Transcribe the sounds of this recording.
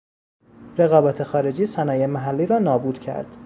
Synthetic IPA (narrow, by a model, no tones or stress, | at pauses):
ɾe̞ɣɒːbæːt̪ʰe̞xɒːɾe̞d͡ʒiːsænɒːjemæɦælːiːɾɒːnɒːbuːd̪̥cʰæ̰ɾd̪̥